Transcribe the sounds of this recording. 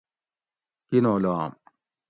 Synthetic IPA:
kinolɔa̰m

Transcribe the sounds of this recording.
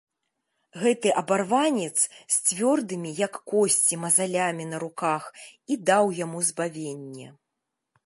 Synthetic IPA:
ɣɛt̪ɨʔɐbarvanʲɛt̪sst͡sʲvʲɔrd̪ɨmʲijɐkːɔsʲt͡sʲimɐzalʲamʲinɐɾukaxid̪awjamuzbavʲenʲːɛ̰

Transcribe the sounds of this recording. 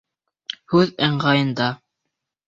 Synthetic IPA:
hʉðæɴɢɑjɤ̆nd̪ɑ

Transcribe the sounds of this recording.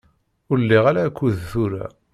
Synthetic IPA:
ʊɾəlːiʁaɾaːkʷːuðθuɾa̰

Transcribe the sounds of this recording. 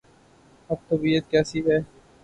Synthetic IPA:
ɐb̚t̪ɐbiːət̪kjaːsiːbɦɛː

